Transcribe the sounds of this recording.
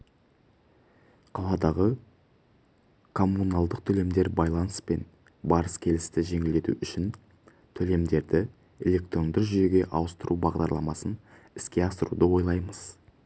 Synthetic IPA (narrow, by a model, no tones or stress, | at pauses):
qʰɑlˠɑd̪ɑʁə | kʰo̞mːunɑlˠd̪əq̚t̪ʰɵle̞md̪e̞ɾbɑjlˠɑnəspe̞n | bɑɾəskʲʰe̞lɪst̪ɪʒe̞ŋɪld̪e̞t̪ṵʏʃɪn | t̪ʰɵle̞md̪e̞ɾd̪ɪ | e̞lʲe̞k̚t̪ɾo̞nd̪əɾʒʏje̞ɡʲe̞ʔɑwəst̪əɾʔubɑʁd̪ɑɾlˠɑ̰mɑsən | ɪskʲe̞ɑsəɾṵd̪əwo̞jlˠɑjməz̥